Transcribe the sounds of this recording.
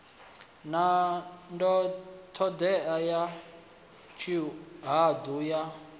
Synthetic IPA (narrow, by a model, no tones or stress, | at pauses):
nandɔt̪ʰɔd̪ɛaja | t͡ʃʰiɦad̪uja